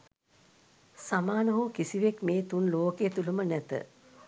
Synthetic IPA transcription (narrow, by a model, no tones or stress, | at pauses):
samaːnəɦukisiʋekmeːt̪unloːkeːt̪ulumənæt̪ə̰